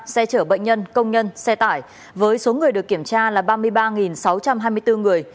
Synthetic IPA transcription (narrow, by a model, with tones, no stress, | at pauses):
sɛ˧t͡ɕəː˧˩ɓə̰˧˨ŋ̟ɲə˧nkə˧wŋ͡mɲə˧nsɛ˧t̪aː˧˩j | vəː˨˦jso˨˦ŋɨ˨˩əjɗɨ˨˩əkːi˧˩əmt͡ɕaː˧laː˨˩ɓaː˧mɨ˧əjɓaː˧ŋi˨˩nsa˨˦wt͡ɕa˧mɦaː˧jmɨ˧əjt̪ɨ˧ŋɨ˨˩əj